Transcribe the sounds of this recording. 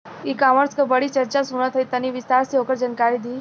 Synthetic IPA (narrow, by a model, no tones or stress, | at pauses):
ikaməɾskəbəɽit͡ʃəɾt͡ʃasuñət̪ʰəit̪əniʋɪst̪aɾsiokəɾd͡ʒənkaɾid̪iː